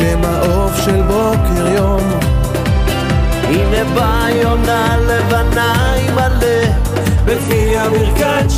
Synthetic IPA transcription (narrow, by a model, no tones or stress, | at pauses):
emaʔofʃelbokeʁjom | ineba | jonalevana | imale | bekfiamiʁka